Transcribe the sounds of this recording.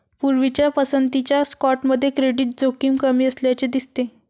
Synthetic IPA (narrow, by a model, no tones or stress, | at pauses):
puɾʋit͡ɕjapəsənt̪it͡ɕjaskɔʈməd̪ʱːjekɾeɽiːʈ̚d͡zokiːmkəmiːəsljat͡ɕed̪ist̪e